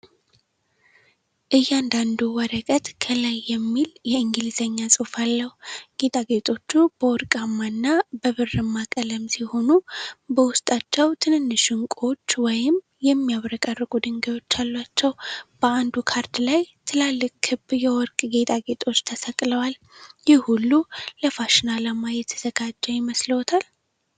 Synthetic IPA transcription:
ʔɨjːand̪and̪uwɔɾəkʼət̪kʰəlajːɛmːiljɛɨŋɡɨlizəɲːasʼufalːəhuɡ̥e̞t̪ʼaɡe̞t̪ʼo̞t͡ʃːubəwɔɾkʼamːanːabəβɨrːɨmːakʼələmsiho̞nubəwʊst̪ʼat͡ʃːɛwt̪ʰɨnɨnːɨʃɨŋkʼo̞t͡ʃːwɔjɪm | jɛmːijaβɾəkʼərːɨkʼud̪ɨŋɡawo̞t͡ʃːalːwat͡ʃːɛwb̥əand̪ukʰaɾd̪lajt̪ʰɨlalːɨkʼhɨbjɛwɔɾkʼɡe̞t̪ʼaɡet̪ʼo̞t͡ʃːt̪ʰəsəkʼləwal | jɪhhulːuləfaʃɪnaləmajɛt̪ʰːəz̥əɡad͡ʒːɛwjɪməsləwt̪ʰal

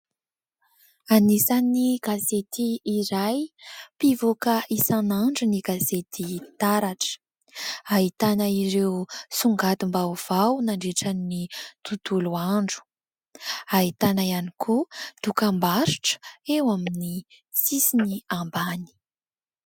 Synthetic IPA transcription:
anisaniɡ̥azet̪iːɾajpivokəʔisanaɳɖ͡ʐuniɡazet̪it̪aɾaʈ͡ʂə̥ | ait̪anaiɾewsuŋɡat̪umbauv̥awnaɳɖ͡ʐeʈ͡ʂannit̪ut̪uluaɳɖ͡ʐu̥ | ait̪anaianikʰud̪̥ukambaɾi̥ʈ͡ʂə̥ewamini | t͡sisiniambani̥

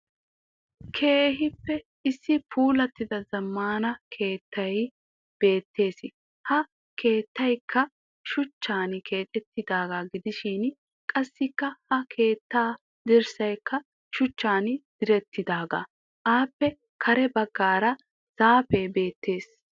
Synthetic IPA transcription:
kʰeːɦɪpːɛ | ɪsːɪpʰuːlɐt̪ːɪd̪ɐzɐmːaːnɐkʰe̞ːt̪ːɐj | b̥e̞ːt̪ːe̞ːsɪ | hɐ | kʰeːt̪ːɐjkʰːɐ | ʃʊt͡ʃːaːnkʰe̞ːt̪ʼɛt̪ːɪd̪aːɡaːɡɪd̪ɪʃɪn | kʼɐsːɪkːɐhɐkʰe̞ːt̪ːaː | d̪ɪɾsɐjkːɐ | ʃʊt͡ʃːaːnd̪̥ɪɾɛt̪ːɪd̪aːɡa̰ː | ʔaːpːɛ | kʰɐɾɛbɐɡːaːɾɐ | z̥aːfejbe̞ːt̪ːe̞ːs

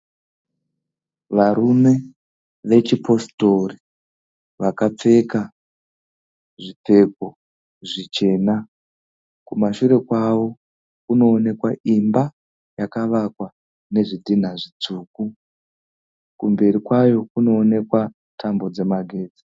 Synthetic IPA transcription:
ʋaɾume̞ | ʋe̞t͡ʃipʰo̞sto̞ri | ʋakap͡fe̞ka | ʐip͡fe̞k̚o̞ | ʐit͡ʃe̞ːna | kumaʃuɾe̞kwawo̞ | kuno̞ːne̞kwaʔimba | jakaʋakwa | ne̞ʐidʱin̤aʐit͡suːk̚u | kumbe̞ɾikwajo̞kuno̞ːne̞kwa | tʰambo̞d͡ze̞maɡʱe̞ːd͡zi̥

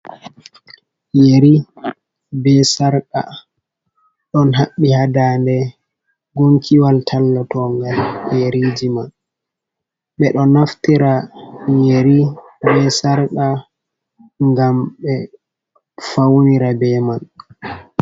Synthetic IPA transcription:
jeɾi | bɛsaɾka̰ | ɗɔnɦaɓːihadaːndɛ | ɡoŋkʰiwaltʰalːɔtɔŋɡaljeɾid͡ʒiman | ɓɛɗɔnaftiɾajeɾi | bɛsaɾka | ŋɡamɓɛ | fawniɾabɛman

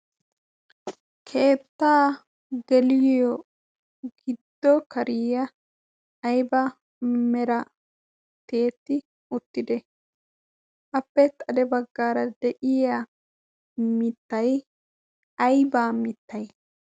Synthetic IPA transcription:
kʰe̞ːt̪ːaː | ɡɛlɪjɔ | ɡɪd̪ːɔkɐɾɪːɐː | jbɐ | mɛɾɐ | t̪e̞ːt̪ːɪ | ʊt̪ːɪd̪ɛ | ʔɐpːɛt̪ʼɐd̪ɛbɐɡːaːɾɐd̪ɛʔɪjɐ | mɪt̪ːɐj | ɐjbaːmɪt̪ːɐj

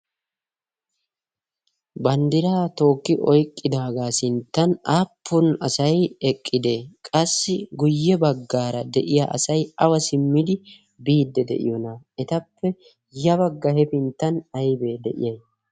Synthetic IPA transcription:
bɐnd̪ɪɾaːt̪o̞ːkːɪʔɔjkʼːɪd̪aːɡaːsɪnt̪ːɐnaːpʰːʊnɐsɐjɛkʼːɪd̪e̞ːkʼɐsːɪɡʊjːɛbɐɡːaːɾɐd̪ɛʔɪja̰ːʔɐsɐjɐwɐsɪmːɪd̪ɪ | biːd̪ːɛd̪ɛ̰ʔɪ̰jɔnɐɛt̪ɐpːɛ | jɐbɐɡːɐhɛpɪnt̪ːɐnɐjbeːd̪ɛ̰ʔɪ̰jɐj

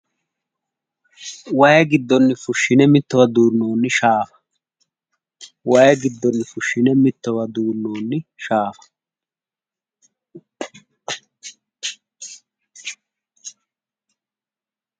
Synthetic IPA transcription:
waːjɡɪd̪ːɔnːɪfʊʃːɪnɛmɪt̪ːɔwɐd̪uːnːoːnːɪʃaːfɐ̥ | waːjɡɪd̪ːɔnːɪfʊʃːɪnɛmɪt̪ːɔwɐd̪uːnːoːnːɪʃaːfɐ̥

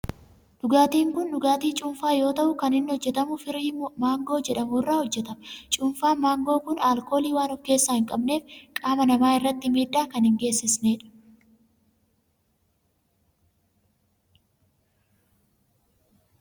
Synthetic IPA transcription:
ɗʊɡaːt̪iːŋkʊndʊɡaːt̪iːt͡ʃʼʊːnfaːjo̞ːt̪ɐʔʊkɐnɪnːɪhɔd͡ʒːɛt̪ɐmʊfɪɾɪmmaːŋɡo̞ːd͡ʒɛᶑɐmuːrːaːhɔd͡ʒːɛt̪ɐmt͡ʃʼʊːnfaːmaːŋɡoːkʊnaːlko̞ːliːwaːnɔfkːe̞ːsːaːhɪŋkʼɐbne̞ːfkʼaːmɐnɐmaːɪrːɐt̪ːɪmiːd̪ːaːkɐnhɪŋɡe̞ːsːɪsneːᶑɐ̥

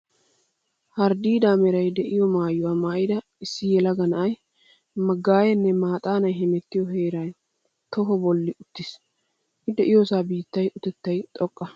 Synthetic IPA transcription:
hɐɾd̪iːd̪aːmɛɾɐjd̪ɛʔɪjɔmaːjːʊwaːmaːjɪd̪ɐ | ɪsːɪjɛlɐɡɐnɐʔɐj | mɐɡːaːjɛnːɛmaːt̪ʼaːnɐjɦɛmɛt̪ːɪjɔɦeːɾɐj | t̪ɔɦɔbɔlːɪʊt̪ːɪs | hɪd̪ɛʔɪjɔsaːbiːt̪ːɐjʊt̪ɛt̪ːɐjt̪ʼɔkʼːɐ

